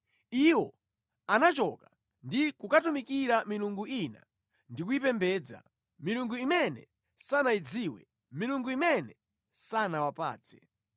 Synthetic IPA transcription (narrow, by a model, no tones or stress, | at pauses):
iwɔ | anat͡ʃɔka | ndikukatumikiɾamiluŋɡuina̰ | ndikuip̬ɛmbɛːd͡za̰ | miluŋɡuimɛnɛ̰ | sanaid͡ziːwɛ̰ | miluŋɡuimɛnɛ | sanawapa̰ːt͡sʰɛ̥